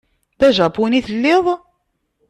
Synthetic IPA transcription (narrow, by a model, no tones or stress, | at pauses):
ðæʒæbuniθəlːɪðˤ